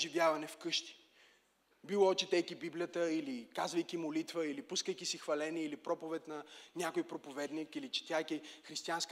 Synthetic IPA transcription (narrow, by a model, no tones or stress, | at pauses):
ʒivʲjavɐnɛfkɤʃt̪i̥ | bilˠɔɔt͡ʃɛt̪ɛjkibiblijət̪əilikazvɐjkʲimolit̪vəilipuskəjkʲisixvɐlɛniɛilipɾɔpovɛt̪nɐnʲakojpɾopovɛd̪nikilit͡ʃɛ̥t̪ʲajkʲixɾist̪iansk